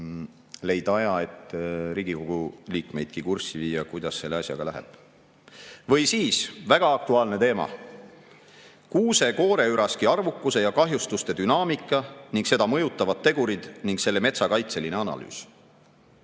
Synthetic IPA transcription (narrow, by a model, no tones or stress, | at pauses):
le̞jd̪̥ɑjɑe̞t̪ːɾiːɡ̥iko̞ɡ̥uliːkme̞jd̪̥kikursiviːjɑkujd̪̥ɑsse̞lːeɑsʲjɑ̰ɡ̥ɑ̰læɦɛ̰b̥ | vɤ̞jsiːsvæɡ̥ɑɑk̚t̪uɑːlne̞t̪e̞ːmɑ̰ | kuːse̞ko̞ːɾe̞yɾɑskiɑrvukːˑuse̞jɑkɑɦjust̪ust̪e̞d̪̥ynɑːmikːˑɑniŋɡse̞d̪ɑmɤ̞jut̪ːˑɑvɑd̪̥̚t̪ːe̞ɡ̥uɾid̪̥niŋkse̞lːe̞me̞t̪sɑkɑjt̪se̞line̞ɑnɑ̰ly̰ːs